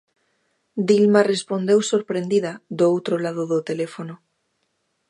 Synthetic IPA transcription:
d̪ilmarespond̪ewsoɾpɾẽnd̪iðaðoowt̪ɾolað̞oðot̪elefono

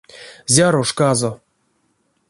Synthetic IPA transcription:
zʲaɾoʂkazo

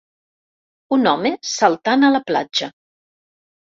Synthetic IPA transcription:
unɔmesəlˠt̪anələpla̰d͡ʒə

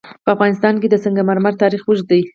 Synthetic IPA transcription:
pəafɣɑnɪst̪ɑnked̪əsəŋɡamaɾmaɾt̪ɑɾixwəʒd̪aj

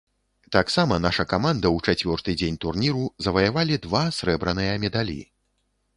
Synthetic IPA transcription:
t̪aksamɐnaʂɐkamand̪ɐwt͡ʂat͡sʲvʲɔrt̪ɨd͡zʲenʲt̪urnʲiɾuzɐvɐjavalʲid̪vasɾɛbɾɐnɨjɐmʲɛd̪alʲḭ

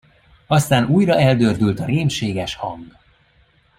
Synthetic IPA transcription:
ɒst̪aːnuːjrɒʔɛld̪øːrd̪ylt̪ɒɾeːmʃeːɡɛʃhɒŋɡ

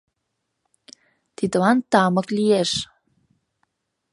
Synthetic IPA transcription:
t̪it̪əwant̪aməklieʃ

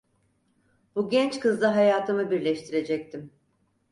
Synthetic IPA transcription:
b̥uɟʲɛnt͡ʃkɯzd̪ˠaɦajaːt̪ʰɯmɯbiɾlʲɛʃt̪ʰiɾe̞d͡ʒɛc̚t̪ʰim

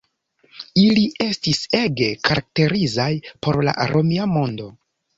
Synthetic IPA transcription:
iliʔe̞stiseɡe̞kaɾak̚te̞ɾizajpo̞ɾla̰ʔaɾʔomiamo̞ndo̞

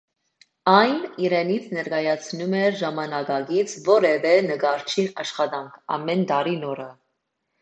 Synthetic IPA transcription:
ɑjniɾɛnit͡sʰnɛɾɡɑjɑt͡sʰnumɛɾʒɑmɑnɑɡɑɡit͡sʰvɔɾɛvɛnəɡɑɾt͡ʃʰinɑʃχɑd̪ɑŋkʰɑ̰mɛnd̪ɑɾinɔɾə

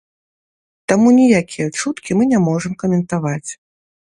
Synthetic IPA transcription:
t̪amunʲijakʲijɐt͡ʂut̪kʲimɨnʲamɔʐɐmkɐmʲɛnt̪avat͡sʲ

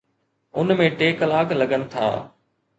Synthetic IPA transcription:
ʊnmẽʈeːkəlaːkləɡənɪ̆t̪ʰa̰ː

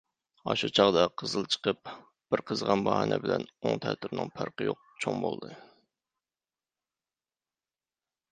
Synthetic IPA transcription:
ɑʃut͡ʃʰɑʁd̪ɑqʰəzɨlˠt͡ʃʰə̥qəp̚ | b̥ɪɾqʰəzʁɑnbɑhɑnɛbɪlɛnoŋt̪ʰæt̪ʰyɾnɨŋpʰæɾqəjoq̚t͡ʃʰoŋbolˠd̪ɨ

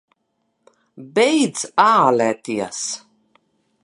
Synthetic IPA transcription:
bɛjd̪zaːlʲæt̪iɛs

